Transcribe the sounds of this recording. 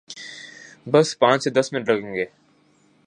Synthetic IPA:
bɐspãːt͡ʃsed̪ɐsmɪnəʈɾɐɡẽːŋɡeː

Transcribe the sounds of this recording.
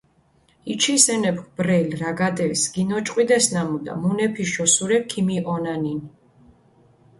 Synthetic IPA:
it͡ʃʰisɛnɛpkʰbɾɛlɾaɡad̪ɛsɡinɔt͡ʃʼqʼwid̪ɛsnamud̪a̰munɛpʰiʃɔsuɾɛkʰimiʔɔnanin

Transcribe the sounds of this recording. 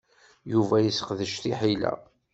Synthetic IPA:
juvæjəsqðəʃθiħilæ̰

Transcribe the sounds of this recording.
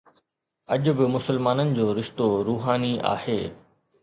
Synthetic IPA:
ɐʄʊ̆bɪmʊsəlmaːnənɪ̆d͡ʑoːɾɪʃt̪oɾuːɦaːnia̰ːheː

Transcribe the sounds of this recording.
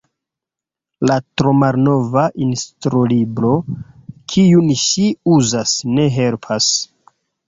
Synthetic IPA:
latɾomaɾno̞vaʔinstɾolibɾo̞kʰijunʃiuzasne̞ɦe̞lpʰas

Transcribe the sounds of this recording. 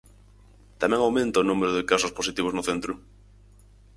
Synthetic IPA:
t̪amɛ̃ŋawmẽnt̪aonũmeɾʊðɪkasʊsposit̪iβoznʊθent̪ɾʊ

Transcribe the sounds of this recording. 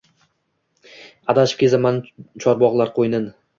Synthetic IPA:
ad̪aʃɪ̥p̚kʲezamanɪt͡ʃʰɒɾbɒʁlˠaɾqʰojnɪn

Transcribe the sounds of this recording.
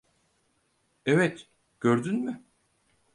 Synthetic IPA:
ɛvɛt̪ | ɟ̥øɾd̪ynmy

